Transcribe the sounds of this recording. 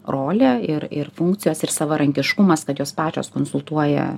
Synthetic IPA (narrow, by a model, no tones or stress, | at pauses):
ɾoːlʲɛɪɾɪɾfʊŋkt̪sʲɪjoːsɪɾsɐʋɐɾɐŋʲkʲɪʃkʊmɐskɐt̪joːspɑːt͡ʃʲo̰ːskoːnsʊlˠt̪uɔjɛ̰